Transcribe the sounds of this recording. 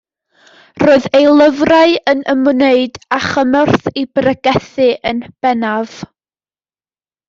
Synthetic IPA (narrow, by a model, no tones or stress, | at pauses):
roːɨðejlˠəvraɨənəmneɨdaχəmɔrθibrəɡɛθɨʔənb̥ɛnav̥